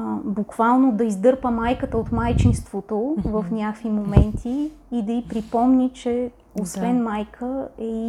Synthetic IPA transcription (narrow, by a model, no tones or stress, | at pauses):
bukvalˠnod̪ɐizd̪ɤɾpəmajkət̪əot̪majt͡ʃinst̪vot̪ovɐfnʲakvimomɛnt̪ʰiː | d̪ɐipɾipɔmnʲit͡ʃɛ | osvɛnmajkʰəɛi